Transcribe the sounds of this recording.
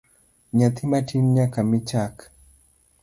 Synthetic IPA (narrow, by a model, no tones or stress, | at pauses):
ɲat̪ʰimatʰinɲakamit͡ʃak